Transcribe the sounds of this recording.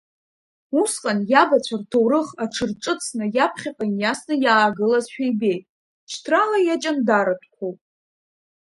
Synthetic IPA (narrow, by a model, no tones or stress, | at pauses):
usqʼanjabat͡ɕʷʰartʰowɾɨχaʈ͡ʂʰɨrʈ͡ʂʼɨt͡sʰnɨjapʰχʲaqʼanjasnɨjaːɡɨlazʃᶣajbe̞jtʼ | t͡ʃʰtʰralajat͡ʃʼandaɾatʷʰkʷʰowpʼ